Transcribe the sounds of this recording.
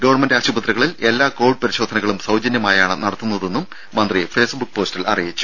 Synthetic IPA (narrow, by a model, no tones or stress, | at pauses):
ɡɐʋɐrɳmendaːɕubɐt̪rɐɣɐɭile̞lːaːko̞ːʋɖ̚pɐɾiɕoːd̪ʱɐnɐɣɐɭumsɐwd͡ʑɐnjɐmaːjaːɳɨnɐɽɐt̪ːunːɐðe̞nːum | mɐnd̪rife̞ːsbuk̚ːpo̞ːstilɐ̰rijit͡ɕːu̥